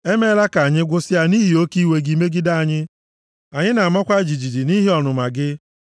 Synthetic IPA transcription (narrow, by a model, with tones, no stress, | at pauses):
e˦me˦la˦ka˨a˨ɲɪ˦ɡʷʊ˦sɪ˦a˨ni˦ɦi˨o˦ki˦we˦ɡi˦me˦ɡɪ˦da˦a˨ɲɪ˦ | a˨ɲɪ˦na˨ma˦kʷa˦d͡ʒi˨d͡ʒi˨di˨ni˦ɦi˦ɔ˨nʊ˨ma˨ɡɪ˦